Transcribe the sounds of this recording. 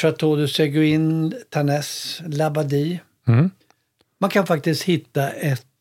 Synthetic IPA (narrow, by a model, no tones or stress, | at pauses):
at̪ʰoːd̪ɵsɛɡʊɪnt̪ʰanɛslabad̪iː | mankʰanfak̚t̪ɪst̪hɪt̪ːaʔɛt̪